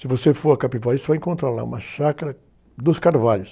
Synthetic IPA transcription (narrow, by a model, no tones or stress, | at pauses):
sɪvosefoɾɐkapivaisʊvajẽŋkõnt̪ɾaɾla̰ṵ̃mɐʃakɐɾɐ | d̪ʊskaɾvaʎʊs